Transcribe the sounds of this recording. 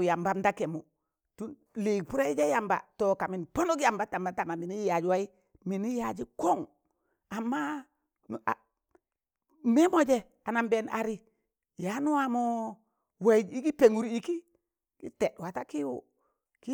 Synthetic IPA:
ja˨mba˦mda˦ke˨mo˨ | tu˦n | li˨k̚pu˦ɾa˦i˦d͡ʒe˦ja˨mba̰˨to˨ka˨mi˨npo˦no˦kja˨mba˦ta˨mba˦ta˨ma˨mi˨ni˦ja˨d͡ʒwa˦i˦ | mi˨ni˦ja˨d͡ʒi˦ko˦ŋ | a˨mːa˦ | nu˨ʔa˨ | me˦mo˨d͡ʒe˦˨ | a˨na˨mbe˨nʔa̰˨ɾi˦ | ja˨˦nu˦wa˦mo˦ | we˨˦d͡ʒi˦ki˦pe˨ŋu˨ɾi˨ki˦ | kḭ˦te˨wa˨ta˦ki˦wṵ˨ | ki˦

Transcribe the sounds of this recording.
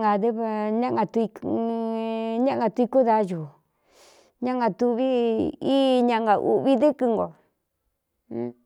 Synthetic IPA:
a˨ðe˦βɲã˦ʔŋã˧t̪u˧i˧ | ɲã˦ʔŋ˧a˧t̪u˧i˧ku˦ða˧˦ju˨ | ɲã˦ŋɡã˧t̪u˧βi˦i˦ɲã˧ŋɡa˧ʔṵ˧βi˦ðɨ˦kɨ˧ŋɡo˨˧

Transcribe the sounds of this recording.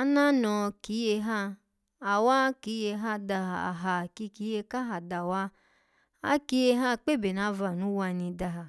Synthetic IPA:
a˦na˦nɔ̃˧ki˨˦je˧ɦa˦ | a˨wa˦ki˨˦je˧ɦa˦da˧˨a̰˨ɦa˨ki˧ki˨˦je˧ka˦ɦa˨da˨wa˦ | a̰˦ki˧˦je˧ɦa˦k͡pe˦˨be˨na˧˦va˨nũ˨˦wa˧nĩ˧da˧ɦa˨

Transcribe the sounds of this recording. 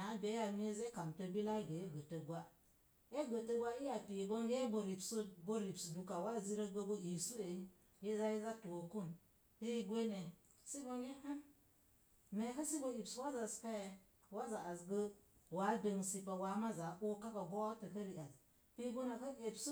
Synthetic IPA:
na˨˦be˨˦ja˨me˦ze˦ka˨mtə˦bi˦la˦ɡə˨e˦ɡə˨tə˨ɡʷa˦ | e˦ɡə˨tə˦ɡʷa˦i˦ja˨pi˨ɡo˦ŋɡe˦bo˨ɾi˨pso˦bo˦ɾi˨psdu˨ka˨wa˦˨zi˦ɾə˦ɡə˦ɡo˦i˨su˦e˨˦ | je˦za˦ji˦za˦tu˨o˨ku˦n | pe˦ɡʷe˦ne˨ | si˦ɡo˦ŋɡe˦ha˦ | me˨˦kə˦si˦bo˦i˨pswa˦za˨ska˦je˨ | wa˦za˨a˨zɡə˦wa˨˦be˨ŋsi˦pa˨wa˨˦ma˦za˨ʔo˦ka˦ka˨bo˦tə˨kə˦li˨a˨z | pi˦ɡo˦na˨kə˦ʔe˨psu˦

